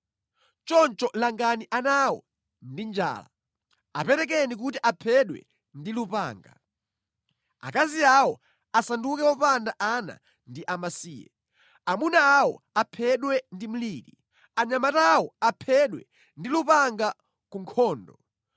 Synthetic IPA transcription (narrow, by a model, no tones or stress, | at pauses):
t͡ʃɔnt͡ʃɔlaŋɡaniʔanawɔ̰ | ndind͡ʒa̰ːla̰ | apɛɾɛk̬ɛnik̬utiʔapʰɛɗwɛ̰ | ndilupa̰ːŋɡa̰ | a̰kaziawɔ | asandukɛwɔpandaʔana̰ | ndiʔamasiːjɛ̰ | amunaːwɔ̰ | apʰɛɗwɛndim̩liːɾi | aɲamatawɔapʰɛɗwɛ̰ | ndilupaŋɡa | kuŋkʰɔːndɔ